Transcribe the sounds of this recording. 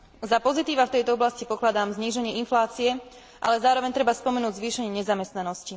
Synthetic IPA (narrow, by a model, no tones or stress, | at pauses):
zapɔzit̪iːʋaft̪ɛjt̪ɔɔblascipɔklad̪aːmzɲiːʒɛɲɪɛinflaːt͡siɛ | ʔa̰lɛzaːɾɔʋɛɲt̪ɾɛbaspɔmɛnuːɟzʋiːʃɛɲɪɛɲɛzamɛst̪nanɔsci